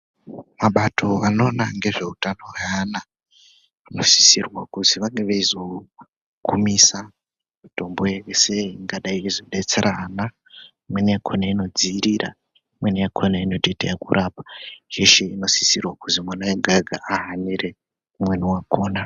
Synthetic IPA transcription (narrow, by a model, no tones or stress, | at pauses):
maɓatʰo̞ano̞ːnaŋɡe̞ʐe̞utanoweana | ano̞si̥sirwakuziʋaŋɡeʋeizo̞ | kumisa | muto̞mbojeweseŋɡaɗaiːzo̞ɗe̞t͡se̞ɾʔana | mweneakʰonaino̞d͡ziːɾira̰ | mweneakʰonainotetḛjakuɾʔaːpḁjeʃeino̞si̥sirwakuzimwanajeɡʱaɡʱaʔaɦaniɾe̞ | umweniwakoːna